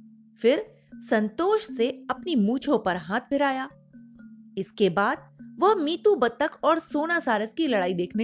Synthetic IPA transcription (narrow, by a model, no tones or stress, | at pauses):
fɪɾ | sɐ̃nt̪oːʃseɐpnimũːt͡ʃʰõpɐɾɦaːt̪̚ʰbʱɪɾaːjaː | ɪskebaːd̪̚ʋɐɦmiːt̪ubɐt̪ːəkɔːɾsoːnasaːɾəskilɐɽaːid̪eːkʰne